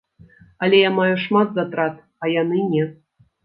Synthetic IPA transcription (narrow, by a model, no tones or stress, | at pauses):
alʲejamajuʂmat̪zat̪ɾat̪ | ajanɨnʲe